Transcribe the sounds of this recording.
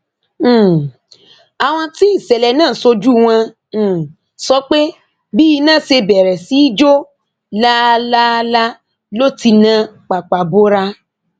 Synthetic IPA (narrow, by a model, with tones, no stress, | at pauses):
a˨w̃ɔ̃˧ti˦i˦˨sɛ˨lɛ˨nãː˦˨so˧d͡ʒu˦˨w̃ã˧˨ | sɔ˧˦k͡pe˦ | bi˦i˧nãː˦˨se˧bɛ˨ɾɛ˨si˨˦i˦d͡ʒo˦ | la˦la˦la˦ | lo˦ti˧nã˧k͡pa˨k͡pa˨bo˦ɾa˧